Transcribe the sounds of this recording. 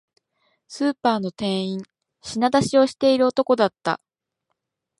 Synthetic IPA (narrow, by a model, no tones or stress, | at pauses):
sɨːpaːno̞t̪ẽ̞ɰ̃ĩɴ | ɕinad̪aɕio̞ɕi̥t̪e̞iɾɯot̪o̞ko̞d̪at̪ːa̰